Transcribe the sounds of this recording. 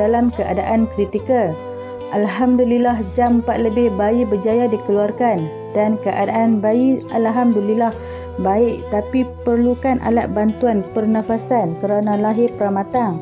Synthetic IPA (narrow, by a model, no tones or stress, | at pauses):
alamkəʔadaʔankɾit̪ikəl | ʔalɦamdulilaɦd͡ʒampat̪̚ləbɪhbaibəd͡ʒajadikəluarkan | dankəʔadaʔanbaialɦamdulilah | baɪʔt̪apipərlukanʔa̰la̰t̪̚bant̪uanpərnãfasankəɾanalaɦɪpəɾamat̪aŋ